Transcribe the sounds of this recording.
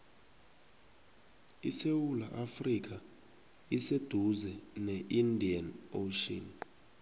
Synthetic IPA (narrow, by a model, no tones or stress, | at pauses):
isewulaʔafrik̬ʰʼa | ised̥ʱuzɛnɛʔindʱianoʃɔ̰n